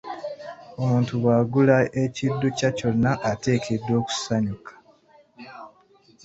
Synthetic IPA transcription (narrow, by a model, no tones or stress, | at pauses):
o̞muːntuβaːɡulae̞cidːucaco̞nːaʔːte̞ːkʰedːo̞ːku̥saɲukḁ